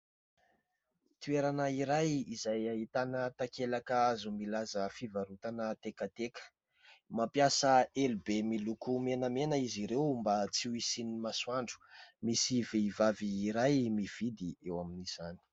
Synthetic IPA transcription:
t̪ueɾanəiɾajizajaɦit̪anət̪akelakəazumilazəfivaɾut̪anət̪ekət̪ekə̥ | mapjasəelubemilukumenəmenəiziɾewmbat͡siwisinimaswaɳɖ͡ʐu̥misiveivaviːɾajmiv̥id̪iewaminiz̥ani̥

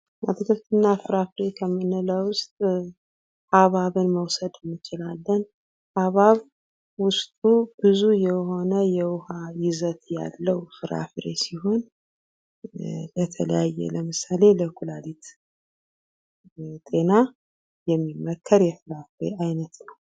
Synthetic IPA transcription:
ʔa̰t̪ʰɨkʰɨft̪ʰɨnːafɨɾafɾe̞kʰəmːɨnɨlawʊst̪ʼ | ʔaβaβɨnməwsəd̪ɨnːɨt͡ʃɪlalːən | ʔaβaβ | wʊst̪ʼubɨzujɛho̞nəjɛwʊhajɪzət̪ja̰lːəwfɨɾa̰fɾḛsiho̞n | lət̪ʰələjajːɛ̰ləmɨsale̞ləkʰulalit̪ | t̪ʼe̞na | jɛmːimːəkʰːəɾjɛfɨɾafɾeʔajnət̪nəw

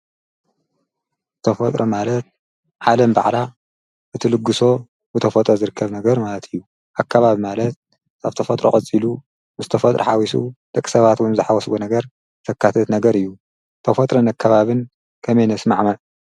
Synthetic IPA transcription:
t̪ʰɐfɐt̪ʼɾomalɐt̪̚ | ʕalɐmba̰ʕla | ʔɨt̪ʰɨlɨɡːɨso̞ | bɨt̪ʰɐfɐt̪ʼɾozɨɾɨkʰːɐβnɐɡɐɾmalɐt̪ʰɨjːu | ʔakʰːaβaβimalɐt̪̚ | aβt̪ʰɐfɐt̪ʼɾokʼɐt͡sʼilu | bɨzɨt̪ʰɐfɐt̪ʼɾʔoħawisṵd̪̥ɐkʼːisɐβat̪wunzɨħawɐsɡonɐɡɐɾ | t̪ʰɐkːat̪ʰɐt̪nɐɡɐɾɨjːu | t̪ʰɐfɐt̪ʼɾɐnakʰːɐβaβɨn | kʰɐmenɐsmaʕmɐ

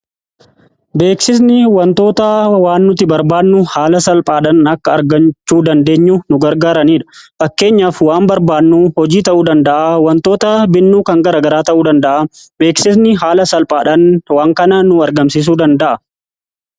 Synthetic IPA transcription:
be̞ːksɪs̬nɪwɐnt̪o̞ːt̪awaːnːʊt̪ɪbɐɾbaːnːʊhaːlɐsɐlpʼaːᶑɐnɐkːɐːɾɡɐnt͡ʃːuːd̪ɐnd̪e̞ːɲːunʊɡɐɾɡaːɾɐniːᶑɐ̥fɐkːe̞ːɲːaːfwaːmbɐɾbaːnːuhɔd͡ʒiːt̪ɐʔuːd̪ɐnd̪ɐʔawɐnt̪o̞ːt̪ɐbɪnːuːkɐŋɡɐɾɐɡɐɾaːt̪ɐʔuːd̪ɐnd̪ɐʔabe̞ːksɪsnɪɦaːlɐsɐlpʼaːᶑɐnwaːŋkɐnɐnʊɐɾɡɐmsɪs̬uːd̪ɐnd̪ɐʔɐ

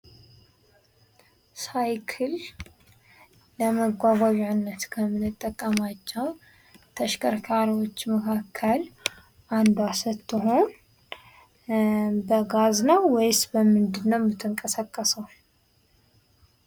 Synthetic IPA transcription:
sajkʰɨl | əməɡʷaɡʷaʒʕnːət̪kʰəmɨnɨt̪ʼːəkʼːəmat͡ʃːɛw | t̪ʰəʃkʰəɾkʰaɾiwot͡ʃːməkʰakʰːəl | ʔand̪asɨt̪ːɨɦo̞n | bəɡaznəwːɔjsbəmɨnd̪ɨnːəwmɨt̪ʰːɨŋkʼəsəkʼːəsəw

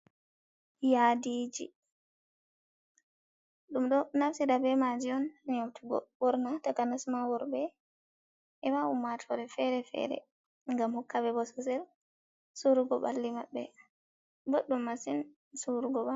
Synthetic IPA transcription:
jadiːd͡ʒḭ | ɗumɗɔnafsiɗabɛmad͡ʒiɔnaɲowtʰuɡɔ̰bɔɾnatakanasmawɔɾbɛ | ʔɛwaumːatʰɔɾɛfɛɾɛfɛ̰ɾɛ̰ | ŋɡamhɔkːabɛbɔsɔsɛl | suɾuɡɔɓa̰lːimaɓːɛ | boɗːumːasin | suɾuɡɔɓa

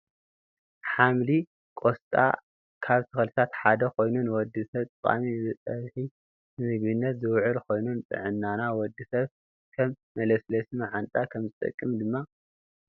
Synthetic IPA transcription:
ħamli | kʼost̪ʼa̰ | kʰaβt̪ʰɨxlɨt̪ʰat̪ħad̪ɐkʰo̞jnunwɔd̪ːisɐβt̪ʼɨkʼa̰miɨzɨt͡s̪ʼɐβħi | nɨmɨɡβɨnːɐt̪zɨwʕʊlkʰo̞jnunt̪ʼɨ̰ʕɨnːanawɔd̪ːisɐβ | kʰɐmːɐlɐslɐsɨmaʕant̪ʼakʰɐmzɨt̪ʼɐ̰kʼːɨmd̪ɨmːa

